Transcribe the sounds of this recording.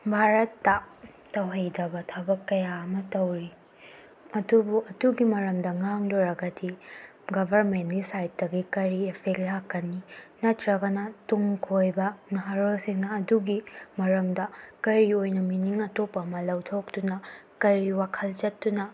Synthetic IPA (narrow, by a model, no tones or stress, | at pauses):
bʱaɾɐtːɐ | tɐwɦɐjdɐbɐtʰɐbɐkːɐjaɐmɐtɐwɾi | ɐdubuɐduɡimɐɾɐmdɐŋaŋloɾɐɡɐdi | ɡɐbʱɐɾmentɡisajt̚dɐɡikɐɾiepʰek̚lakːɐnːinɐtɾɐɡɐnɐtuŋkʰojbɐnɐɦaɾolsiŋnɐːduɡimɐɾɐmdɐkɐɾiojnɐminiŋɐtopːɐmɐlɐwtʰok̚tunɐkɐɾiwakʰɐlt͡ʃɐtːunɐ